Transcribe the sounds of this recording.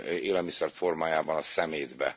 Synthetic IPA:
eːlɛlmisɛrfo̞rmaːjaːbɒnɒsɛmeːd̪bɛ̰

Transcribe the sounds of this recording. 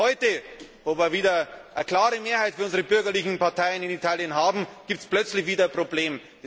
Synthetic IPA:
hɔʏtəvoːviːɐviːdɐʔɐkl̥aːʁəmeːɐhaɪtfyɐʊnzəʁəbʏɐɡɐlɪçn̩paɐtʰaɪənɪnitʰaːljənɦaːbm̩ɡ̥iːp̚tsplœt͡slɪçviːdɐpʁ̥obleːm

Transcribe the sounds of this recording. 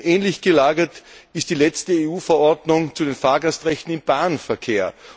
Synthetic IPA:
ʔɛːnlɪçɡ̥əlaːɡɐtɪstd̥iːlɛt͡stəeːuːfəɐʔɔɐdnʊŋt͡sudenfaːɐɡastʁɛçtn̩ɪmb̥aːnfɛɐkʰeːɐ

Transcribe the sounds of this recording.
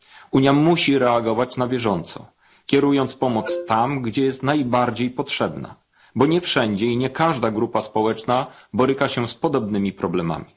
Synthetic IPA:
uɲjamuɕiɾɛaɡɔvat͡ɕnavʲjɛʐɔnt̪sɔ̰ | kʲɛɾujɔnt̪spɔmɔt̪st̪amɡd͡ʑɛjɛst̪najbaɾd͡ʑejpɔtʂɛbna̰ | bɔɲɛfʂɛɲd͡ʑɛiɲɛkaʐd̪aɡɾupaspɔwɛt͡ʂnabɔɾɘkaɕɛspɔd̪ɔbnɘmʲipɾɔblɛma̰mʲi

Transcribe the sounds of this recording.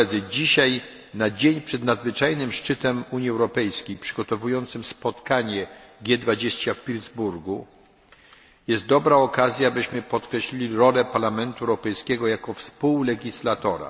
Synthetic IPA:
ɛd̪zɘd͡ʑiɕaj | nad͡ʑeɲpʂɛd̪nad̪zvɘt͡ʂajnɘmʂt͡ʂɘt̪ɛmuɲjiɛwɾɔpɛjskʲejpʂɘɡɔt̪ɔvujɔnt̪sɘmspɔt̪kaɲɛɡʲjɛd̪vad͡ʑeɕt͡ɕafpʲilzbuɾɡu | jɛst̪̚d̪ɔbɾaɔkazʲjaːbɘɕmɘpɔt̪kɾɛɕlʲilʲiɾɔlɛpaɾlamɛnt̪uɛwɾɔpɛjskʲɛɡɔjakɔfspuwlɛɡʲislat̪ɔɾa̰

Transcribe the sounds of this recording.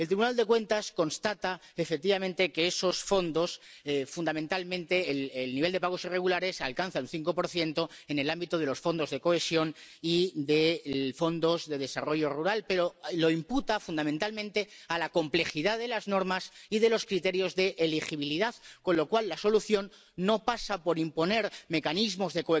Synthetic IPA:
elt̪ɾiβunald̪e̞kwe̞nt̪asko̞nst̪at̪aefek̚t̪iβamẽnt̪e̞ke̞eso̞sfo̞nd̪o̞sfund̪ament̪almẽ̞nt̪e̞lelniβe̞ld̪epaɣ̞o̞sire̞ɣ̞ulaɾe̞salkan̟θaunθiŋko̞po̞ɾθjent̪o̞e̞ne̞lambit̪o̞ð̞e̞lo̞sfo̞nd̪o̞zðe̞ko̞esjo̞niðe̞fo̞nd̪o̞zðe̞ðe̞saro̞ʝo̞ruɾalpe̞ɾo̞lo̞imput̪afund̪amẽnt̪almẽnt̪ealako̞mple̞xiðaðe̞laznoɾmasiðe̞lo̞skɾit̪e̞ɾjo̞zðe̞ʔːlixiβiliðaðko̞nlo̞kwalːaso̞luθjo̞nː | o̞pasapo̞ɾimpo̞ne̞ɾme̞kanizmo̞zðeko

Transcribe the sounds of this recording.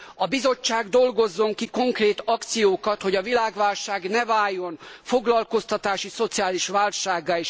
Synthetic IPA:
ɒbizo̞t͡ʃːaːɡd̪o̞lɡo̞zːo̞ŋkiko̞ŋkreːt̪ɒkt̪sijoːkɒt̪ho̞ɟɒvilaːɡʋaːlʃaːɡnɛvaːjːo̞nfoɡlɒlko̞st̪ɒt̪aːʃiso̞t̪sijaːliʃʋaːlʃaːɡːaːeːʃ

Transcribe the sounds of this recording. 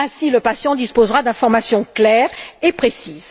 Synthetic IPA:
ɛ̃siləpasjɑ̃d̪ispozʁad̪ɛ̃fɔʁmasjɔ̃klɛːʁepχesiːz̥

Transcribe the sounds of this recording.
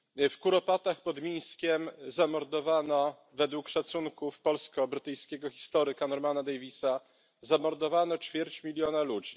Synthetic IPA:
fkuɾɔpat̪axpɔd̪mʲiɲskʲɛmzamɔɾd̪ɔvanɔ | vɛd̪wukʂat̪suŋkufpɔlskɔbɾɘt̪ɘjskʲɛɡɔxʲi̥st̪ɔɾɘkanɔɾmanad̪ɛjvʲisa | zamɔɾd̪ɔvanɔt͡ʂfʲjɛɾt͡ɕmʲilʲjɔnalud͡ʑi

